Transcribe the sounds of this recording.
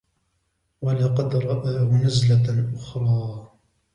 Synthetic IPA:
walɑqɑd̪ɾˤɑʔaːhʊnazlalʔʊxɾˤɑː

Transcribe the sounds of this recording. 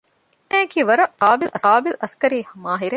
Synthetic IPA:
næːkiːʋɐɾɐqaːbilʔɐsaːbilʔɐskɐɾiːhɐmaːɦiɾe

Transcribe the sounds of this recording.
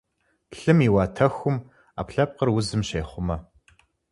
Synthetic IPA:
ɬɨmiːwɑːtʰɐxʷʊm | a̰ːpɬɐp̚qərwʊzɨmʃeːχʷʊmɐ

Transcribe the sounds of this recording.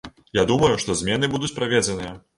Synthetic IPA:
jad̪umɐjuʂt̪ɔzʲmʲɛnɨbud̪ut͡sʲpɾavʲɛd͡zʲɛnɨjɐ

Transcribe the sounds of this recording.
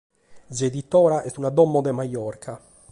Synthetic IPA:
zed̪it̪ɔːɾaʔɛst̪unad̪ɔmːɔd̪ɛmajɔrkʰa

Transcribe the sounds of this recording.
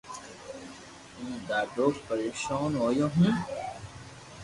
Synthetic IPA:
ũːd̪aːɖoːkpəɾeːkʃaːnoːjõːɦũ

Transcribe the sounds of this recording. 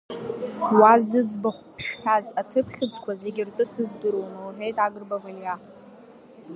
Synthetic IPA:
wazɨd͡zbaχʷpʰʃħᶣazatʰɨpʰχʲɪd͡zkʷʰaze̞ɡʲirtʼɨsɨzdɨɾownowħejtʼaɡɨrbavalija

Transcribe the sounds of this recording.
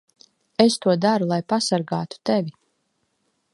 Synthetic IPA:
est̪uɔd̪aɾulˠajpasaɾɡaːt̪u̥t̪evʲi

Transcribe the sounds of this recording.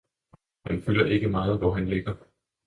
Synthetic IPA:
hænfylɐʔe̝ɡ̥əmɑ̈ːð̩ˠʋɒɦænle̝ɡ̥ɐ

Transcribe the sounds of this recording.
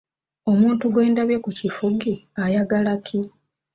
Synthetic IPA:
o̞muːntuɡwe̞ːndaβjekucifuɡiajaɡalakʰi

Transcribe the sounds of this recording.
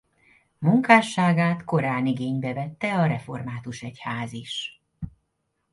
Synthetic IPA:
muŋkaːʃːaːɡaːt̪ko̞ɾaːniɡeːɲbɛvɛt̪ːɛɒɾɛfo̞rmaːt̪uʃɛchaːziʃ

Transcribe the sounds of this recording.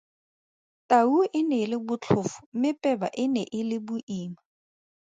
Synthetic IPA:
tʼauɪnɛlɪbʊt͡ɬʰʊfʊ̥mɪpʼɛba̰ʔɪnɛʔɪlɪbʊʔiːma

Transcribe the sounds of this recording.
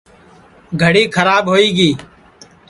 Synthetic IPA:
ɡʱəɽiːkʰəɾaːbɦoːiːɡiː

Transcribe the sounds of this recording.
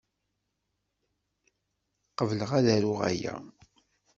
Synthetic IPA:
qəvləʁæðæɾʊʁæ̰jæ̰

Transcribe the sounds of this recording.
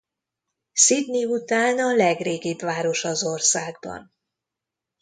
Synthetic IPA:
sid̪niut̪aːnɒlɛɡreːɡibʋaːɾo̞ʃɒzo̞rsaːɡ̚bɒ̰n

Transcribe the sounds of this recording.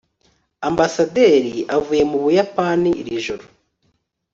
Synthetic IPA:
ambasade̞ːɾiavuːje̞muβujapaniɾiʒoɾo

